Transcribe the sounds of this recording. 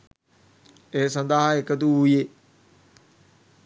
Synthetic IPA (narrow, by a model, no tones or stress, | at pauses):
eːsand̪aɦaekət̪̬uuːje